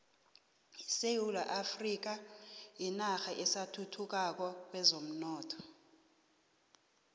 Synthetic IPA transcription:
iseulaʔafrik̬ainaxaʔɛsatʰutʰuk̬ak̬ɔk̬wɛzom̩nɔːtʰɔ̥

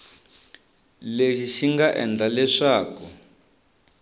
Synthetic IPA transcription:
leʃiʃiŋɡaʔɛ̰nd͡ɮalɛʂaːku

